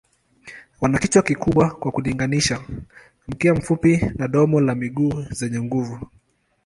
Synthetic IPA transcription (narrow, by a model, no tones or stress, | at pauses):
wanakit͡ʃwakikuɓwakwakuliŋɡaniʃa | m̩kiam̩fupinaɗɔmɔlamiɠuːzɛɲɛŋɡuvu